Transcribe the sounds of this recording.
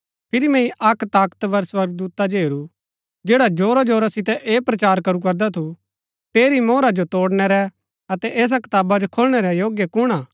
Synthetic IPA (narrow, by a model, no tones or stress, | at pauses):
pʰɪɾimɛ̃ĩʔɐkt̪aːkə̥t̪ʋɐɾswɐɾɡ̚d̪uːt̪ad͡ʒɦeːɾu | d͡ʒeːɽad͡ʒoːɾad͡ʒoːɾasɪt̪ɛʔeːpɾɐt͡ʃaːɾkɐɾuk̬ɐɾd̪at̪ʰu | ʈeːɾimoːɾad͡ʒot̪oːɽñɛɾɛ | ɐt̪ɛʔɛːs̬akɪ̥t̪aːbad͡ʒokʰolɽ̃ɛɾɛjoːɡjekʊɽ̃aː